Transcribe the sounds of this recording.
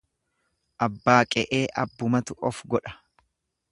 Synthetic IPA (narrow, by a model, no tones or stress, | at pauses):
ʔɐbːaːkʼɛʔeːʔɐ̰bːʊmɐt̪ʊʔɔfɡɔᶑɐ̥